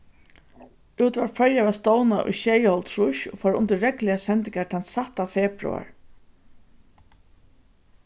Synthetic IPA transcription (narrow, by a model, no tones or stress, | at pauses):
uːt̪vaɹfʰœɹjavast̪ɔːwnaʔʊ̰jʃeːjəhɔlt̪ʰɾʊʃʊ̰faːɾʊ̰nt̪ɪːɛklɪasɛnt̪ɪŋkat̪ʰansaht̪afɛːpɾṵa̰ɹ